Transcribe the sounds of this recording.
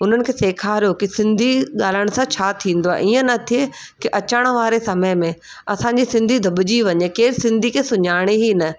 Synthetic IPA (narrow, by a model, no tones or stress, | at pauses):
ʊn̤ənɪ̆kʰeːseːkʰaːɾijokisɪ̃nd̪ʱiɠaːl̤əɽ̃sãt͡ɕʰaːt̪ʰĩːnd̪oaːḛʔiːə̃nɐt̪ʰie | kiʔɐt͡ɕaɽ̃ʋaːɾesɐməmẽ | ɐsãɲd͡ʑisɪ̃nd̪ʱid̪ʱɐbɪd͡ʑiʋɐɲekeːɾsɪ̃nd̪ʱikʰeːsʊɲaːɽ̃eɦinɐ